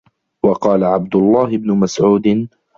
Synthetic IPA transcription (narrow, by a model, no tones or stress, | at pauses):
wɑqɑːlaʕab̚d̪ʊlˤːɑːhɪbnʊmasʕuːd̪ɪn